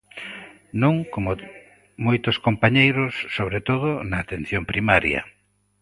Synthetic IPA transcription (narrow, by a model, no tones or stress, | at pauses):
nõŋkomo | mojt̪ʊskompaɲejɾʊsːoβɾet̪oðʊnɐːt̪en̟θjompɾimaɾjɐ̰